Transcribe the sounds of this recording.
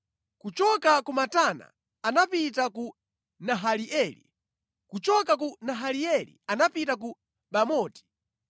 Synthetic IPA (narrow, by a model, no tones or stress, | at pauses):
kut͡ʃɔkakumatana̰ː | napitaku | naɦaliʔɛlḭ | kut͡ʃɔkak̬unaɦaliɛlḭanapitak̬u | ɓamɔːti̥